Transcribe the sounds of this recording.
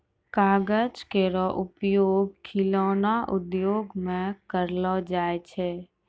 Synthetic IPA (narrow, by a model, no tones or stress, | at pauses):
kaːɡəd͡ʒkeɾɔʔʊpjoːɡ̚kʰɪlɔːnaʔʊd̪joːɡmẽkəɾlɔd͡ʒaːet͡ʃʰeː